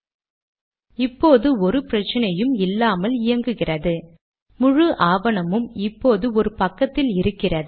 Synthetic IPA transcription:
ɪpːoːðɯɔɾɯpɪɾɐt͡ʃːɐnɐjɯmɪlːaːmɐlɪjɐŋɡɯɣɪrɐðɯ | mʊɻɯʔaːʋɐɳɐmɯmɪpːoːðɯɔɾɯpɐkːɐt̪ːɪlɪɾɯkːɪrɐðɯ

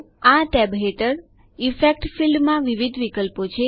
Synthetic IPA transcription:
aʈɛbɦeʈəɾ | ifek̚ʈfilɖmãʋiʋid̪ʱʋikəlpot͡ʃʰe

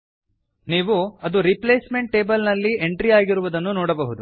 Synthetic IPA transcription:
niːʋuɐd̪uɾipleːsme̞ɳʈ̚ːe̞ːbɐlnɐlːie̞ɳʈɾiaːɡiɾuʋud̪ɐnːunoːɽɐbɐɦud̪u

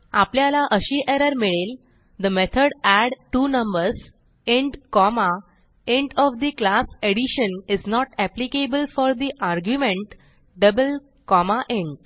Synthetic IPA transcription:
apljalaʔəɕiːʔeɾəɾmiɭel | d̪əmet̪ʰəɽæɽʈuːnə̃mbəɾs | eɳɖkɔma | eɳʈɔfd̪iklaseɽiɕəniznɔʈæplikebəlfɔɾd̪iʔaɾɡjumẽɳʈ | ɖəbəl | kɔmaʔeɳʈ

